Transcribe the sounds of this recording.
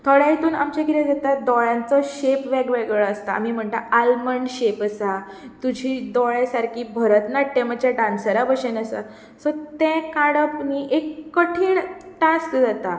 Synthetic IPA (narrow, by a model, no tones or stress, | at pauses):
t̪ʰəɭajit̪uːna̰mt͡ɕaɡiɾɛd͡zat̪ad̪ɔɭãnt͡sɔɕepʋɛɡʋeɡɭəːst̪aa̰miːm̤əɳt̪aalməɳɕepəsa | t̪ud͡ʑʱid̪ɔɭẽsaɾkiːbʱəɾət̪naʈemət͡ɕaɖãnsəɾabəɕenəsa | sɔt̪ɛ̃kaɽəpniːʔekːəʈʰiːɳʈãskd͡zat̪a